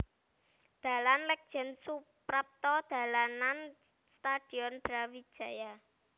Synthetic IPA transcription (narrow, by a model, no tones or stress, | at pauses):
d̪̥a̤lanlɛk̚d̥ʒ̥ɛ̤nsu | pɾap̚t̪ɔd̪̥a̤lanan | st̪ad̪̥i̤ɔnb̥ɾawi̥ʒ̥ä̤ja